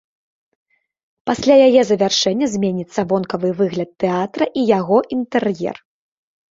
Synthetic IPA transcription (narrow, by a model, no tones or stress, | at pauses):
pasʲlʲajajɛzɐvʲarʂɛnʲːɐzʲmʲenʲit̪sːɐvɔnkɐvɨvɨɣlʲɐt̪ːɛat̪ɾɐʔijaɣɔʔint̪ɛrjɛ̰r